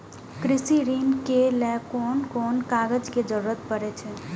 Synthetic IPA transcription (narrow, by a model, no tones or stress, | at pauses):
kɾisiɾinkelɛkonkonkaɡəd͡ʒked͡ʒəɾuɾət̪̚pəɾɛt͡ʃʰɛ